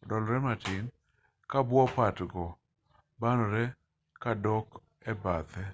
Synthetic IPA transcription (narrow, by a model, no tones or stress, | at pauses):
dɔlɾɛmatin | kabwɔpatɡɔ | banɔɾɛ | kadɔk | ɛbat̪ɛ